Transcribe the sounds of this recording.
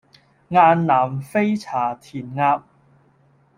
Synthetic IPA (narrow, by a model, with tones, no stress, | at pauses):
ŋaː˧nːnaː˨˩mfe˥jt͡sʰaː˨˩t̪ʰiː˨˩nŋaː˧p̚